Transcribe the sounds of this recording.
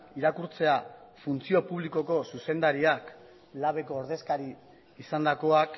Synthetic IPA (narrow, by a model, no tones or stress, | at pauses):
iɾakuɾt͡se̞afunt͡sio̞puβ̞liko̞ko̞suse̞nd̪aɾiak | laβ̞e̞ko̞ːɾðe̞skaɾiː | sand̪ako̞ak